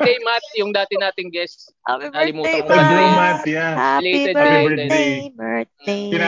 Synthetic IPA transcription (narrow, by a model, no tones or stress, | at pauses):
ejmat̪̚jʊŋd̪aːt̪ɪnaːt̪ɪŋɡɛst | ɐɐlɪmuːt̪ɐŋd̪emat̪jalet̪ɛeɛ | ɪna